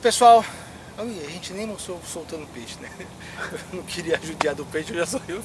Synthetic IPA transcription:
pesuaw | oiɐʒẽnt͡ʃɪnẽj̃most̪ɾowsowt̪ɐ̃nd̪ʊpeʃɪ̥nɛ | ewnɐ̃w̃kɪɾiɐaʒud͡ʒiad̪ʊpejʃʊewʒasoiw

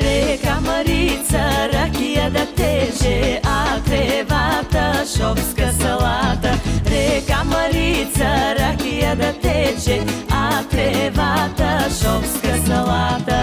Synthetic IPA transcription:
ɾɛkaməɾit̪səɾakijəd̪ɐt̪ɛʒɛat̪ɾɛvat̪əʃɔfskəsɐlˠat̪əɾɛkaməɾit̪səɾakijəd̪ət̪ɛt͡ʃɛat̪ɾɛvat̪əʃɔfskəsɐlat̪ə

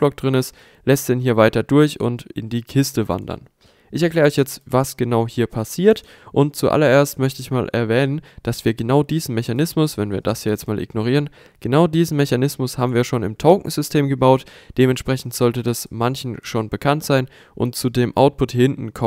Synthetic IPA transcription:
blɔk̚d̥ʁɪnɪst | lɛstd̥ɛnɦiːɐvaɪtɐdʊɐçʊ̰ntɪ̰ndiːkʰɪstəva̰ndɐ̰n | ʔɪçɛɐkl̥ɛːʁɔçjɛt͡stvasɡ̥ənaʊhiːɐpʰasiːɐt | ʔʊnt̚t͡suʔa̰lɐʔeːɐstmœçtəɪçmaːlʔɛ̰ɐvɛːnənd̥asv̥iːɐɡənaʊdiːzn̩meçanɪsmʊsvɛnviːɐdashiːɐjɛt͡stmaːlʔɪ̰ɡ̥noʁ̞iːʁən | ɡ̥ənaʊdiːzn̩mɛçanɪsmʊshaːbm̩viːɐʃoːnɪ̰mtʰɔʊkŋ̩zʏstʰeːmɡəbaʊtd̥eːmɛnʃpʁ̥ɛçn̩tz̥ɔltədasmançn̩ʃoːnbəkʰantz̥aɪn | ʔʊ̰ntt͡sudeːmʔa̰ʊt̚pʰʊthɪntn̩kʰɔ

